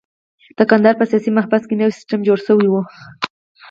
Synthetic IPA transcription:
t̪akand̪aɾpasijɑsimaɦbaskɪnewsɪ̥sʈamd͡ʒoɾsawiwʊ

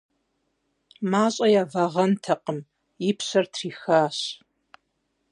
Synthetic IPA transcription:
maːɕʼɐjaːvɐʁɐntʰɐqəm | ɪpʰɕɐrtʰriːxaːɕ

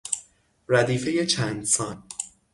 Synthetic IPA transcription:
ræd̪iːfe̞je̞t͡ʃʰæːnd̪sɒːn

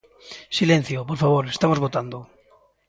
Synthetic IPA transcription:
silẽn̟θjopoɾfaβ̞oɾest̪amozβot̪and̪o

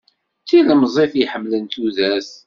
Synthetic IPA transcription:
t͡sːiləmzˤefjħəmːlənt̪uðæs

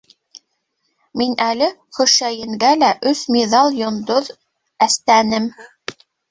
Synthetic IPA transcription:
minælɘχɵ̆ʃæjɘ̆ŋɡælæʔɵsmiðɑlˠjŏnd̪oð | æst̪ænɘm

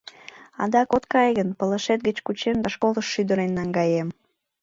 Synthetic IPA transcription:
ɑ̰d̪ɑkot̪kɑjɣənpələʃet̪̚ɡət͡ɕkut͡ɕemd̪ɑʃkoləʃːyd̪əɾenːɑŋɡɑjem

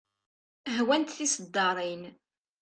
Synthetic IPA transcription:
ɦwænt̪θisəd̪ːɑɾˤin

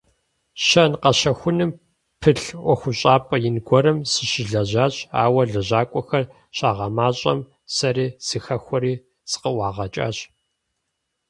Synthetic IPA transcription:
ɕɐnqɐɕɐxʷʊnɨm | pʰɨɬʔʷɔxʷʊɕʼaːpʼɐjɪnɡʷɔɾɐmsɨʃɪɮɐʑaːɕʼa̰ːwɐɮɐʑaːkʷʼɔxɐr | ɕaːʁɐmaːɕʼɐ̰m | sɐɾiːz̥ɨxɐxʷɔɾiː | sɨ̥qəwʷɑːʁɐt͡ʃʼa̰ːɕ

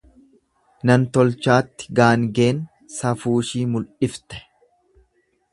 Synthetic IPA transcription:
nɐnt̪ɔlt͡ʃaːt̪ːɪ̥ɡaːŋɡe̞ːn | sɐfuːʃiːmʊlʔɪft̪ɛ̥

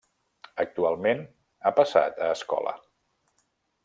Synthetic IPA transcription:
ək̚t̪ualˠmen | apəsa̰t̪əːskɔ̰lə̰

